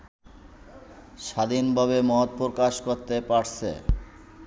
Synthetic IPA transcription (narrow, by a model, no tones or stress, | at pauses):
ʃad̪inbʱaβemɔt̪̚pokaʃkoɾt̪epaɽt͡ɕʰḛ